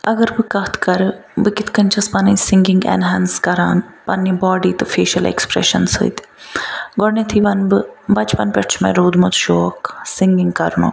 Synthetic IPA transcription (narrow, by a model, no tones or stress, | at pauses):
ɐɡəɾbɨkɐt̪ʰkɐɾbɨkɪt̪ʰkɐnʲt͡ʃʰɐspɐnĩsɪŋɡiŋɡḛnɦɛːnskɐɾa̰ːnpɐnːĩbɔːɖiːt̪ɨfeːʃɐlḛkspɾḛʃɐnshɨ̰ːjt̪ | ɡoɽnẽt̪ʰiʋɐnbɨbɐt͡ʃpɐnpʲɛʈt͡ʃʰmḛ̃ɾuːd̪mot̪ʃoːksɪŋɡiŋɡkɐɾno̰ː